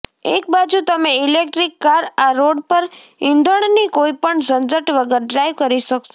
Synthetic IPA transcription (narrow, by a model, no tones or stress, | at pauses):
ek̚bad͡ʒut̪əmeilek̚ʈɾikːaɾaɾoɽpəɾ | ĩnd̪əɳ̃nikoipəɳsənd͡ʒəʈʋəɡəɾɖɾajʋkəɾiʃək